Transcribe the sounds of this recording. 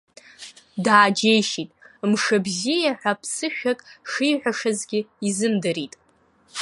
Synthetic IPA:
daːd͡ʒejʃitʼmʂabzijaħʷᶣapʰsɨʃᶣakʼʂijħʷᶣaʂazɡʲɪizɨmdɨɾitʼ

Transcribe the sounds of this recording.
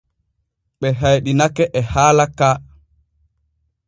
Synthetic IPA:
ɓɛɦajɗinakɛʔɛhaːlaka

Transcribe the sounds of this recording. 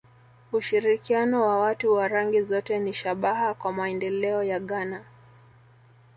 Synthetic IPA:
uʃiɾikianɔwawatuwaɾaŋɡizɔtɛniʃaɓaɦakwamaɛndɛlɛɔjaɠana

